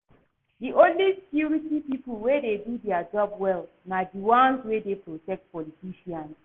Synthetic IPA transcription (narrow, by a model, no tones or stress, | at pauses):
diʔõnlise̥kjuɹitipipulwededudɛad͡ʒɔbwɛl | nadiwãnzwedepɹotɛk̚t̚pɔlitiʃiãns